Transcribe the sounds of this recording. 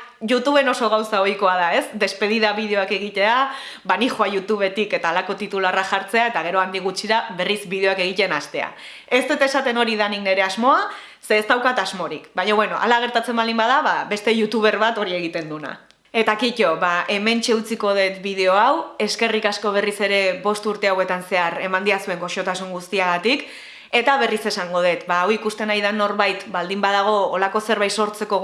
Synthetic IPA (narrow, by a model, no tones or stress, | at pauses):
ʝut̪uβ̞e̞no̞so̞ɣawsao̞jko̞aðae̞sd̪e̞spe̞ð̞iðaβið̞e̞o̞ake̞ɣ̞it̪e̞a | banixoajut̪uβe̞t̪ike̞t̪aːlako̞t̪it̪ularaʝaɾt͡se̞ae̞t̪aɣ̞e̞ɾo̞and̪iɣ̞ut͡ʃiɾaβe̞rizbiðe̞oake̞ɣ̞it̪e̞nast̪e̞a̰ | e̞st̪ut̪aesat̪e̞no̞ɾiðanikne̞ɾe̞azmo̞a | se̞ːst̪awkat̪azmo̞ɾikbaɲo̞βwe̞no̞ʔa̰laɣ̞e̞ɾt̪at͡se̞mbalimbað̞aβaβe̞st̪e̞ʝut̪uβ̞e̞ɾβat̪o̞ɾie̞ɣ̞it̪e̞nd̪una̰ | e̞t̪akico̞βaʔe̞me̞nt͡ʃe̞ut͡siko̞ð̞e̞t̪biðe̞o̞awe̞ske̞rikasko̞β̞e̞rise̞ɾe̞βo̞st̪uɾt̪e̞awe̞t̪anse̞aɾe̞mand̪iasue̞ŋɡo̞ʃo̞t̪asuŋɡust̪iaɣat̪ik | e̞t̪aβe̞rise̞saŋɡo̞ð̞e̞t̪baːwikust̪e̞najð̞ano̞ɾβajt̪bald̪imbað̞aɣ̞o̞ːlako̞se̞ɾβajt̪so̞ɾt͡se̞ko̞